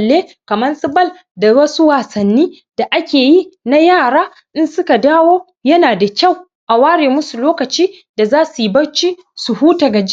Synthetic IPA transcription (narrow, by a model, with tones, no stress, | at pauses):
lːeː˦ | kɐ˨mɐ˦nsɪ˦bɐ˦˨l | da˨wɐ˦su˦waː˨sɐ˨nːiː˦ | d̥a˨ʔa˦kʲeː˨ji˦na˦jaː˦˨ɽaː˦ | ʔɪ˦nsʊ˦ka˨daː˦woː˦ | jɐ˦naː˨da˨kʲa˦˨w | ʔa˨waː˦ɽeː˨mʊ˦su˨loː˦kɐ˨t͡ʃiː˦da˨zaː˦su˨ji˦bɐ˦t͡ʃiː˦ | su˨huː˦ta˨ɡa˨d͡ʒi˦